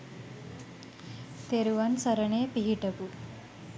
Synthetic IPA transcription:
t̪eɾuʋansɐɾɐɳeːpiɦiʈɐku

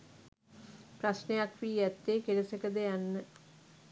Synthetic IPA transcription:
pɾasnejakʋiːæt̪ːeːkeɾəsəkəd̪əjanːə

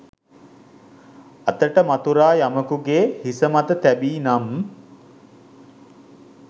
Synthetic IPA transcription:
at̪əʈəmat̪uɾaːjaməkuɡeːhisəmat̪ət̪æbiːnam

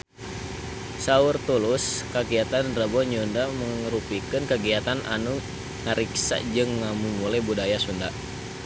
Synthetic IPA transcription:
saʊrt̪ulʊskəɡiat̪anrəbɔɲundaməŋɾupikɨnkəɡiat̪anʔanu | ŋaɾiksa̰ʔd͡ʒɨŋːamumulabudajasunda

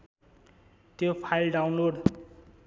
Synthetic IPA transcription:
t̪jopʰajlɖawnloɖ

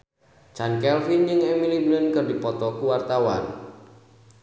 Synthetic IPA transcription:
t͡ʃankɛlfind͡ʒɨŋɛmiliblənkɨrdipɔt̪ɔkuwart̪awa̰n

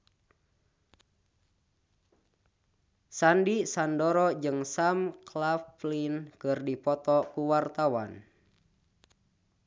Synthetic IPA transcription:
sandisandɔɾɔd͡ʒɨŋsamklaflinkɨrdipɔt̪ɔkuwart̪awa̰n

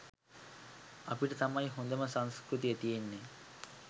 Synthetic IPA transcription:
ɐpiʈət̪ɐmɐjɦond̪ɐməsaŋskɾut̪ijət̪ijenːe

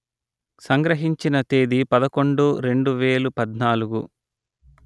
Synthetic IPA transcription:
sɐŋɡɾɐɦiɲt͡ʃinɐt̪eːd̪ipɐd̪ɐko̞ɳɖuɾeɳɖuʋeːlupɐd̪naːluɡu

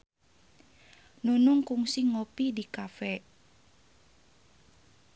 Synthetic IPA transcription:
nunʊŋkuŋsiŋopidikafɛ

